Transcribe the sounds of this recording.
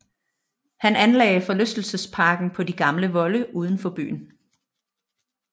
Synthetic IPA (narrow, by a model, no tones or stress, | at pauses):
hænænlɛːɪfɒ̽løsd̥l̩səspʰɑ̈ːɡ̥n̩pʰɒ̽diɡ̥ɑ̈mləʋɒ̽ləʔuːð̞ˠən̩fɒ̽b̥y̰ːn̩